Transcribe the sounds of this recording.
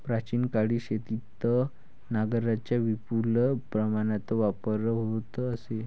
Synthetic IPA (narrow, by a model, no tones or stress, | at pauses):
pɾat͡ɕiːnkaɽiːɕet̪it̪ə | naɡəɾat͡ɕjaʋipulpɾəmaɽ̃at͡s̪ɔʋapəɾəɦot̪əse